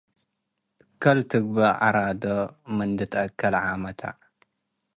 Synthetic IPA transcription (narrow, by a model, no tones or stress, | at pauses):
kʰɐlt̪ʰɨɡ̚bɐʔa̰ɾad̪omɨnd̪ɨt̪ʰʔɐkʰːɐlʕamɐt̪ʰa̰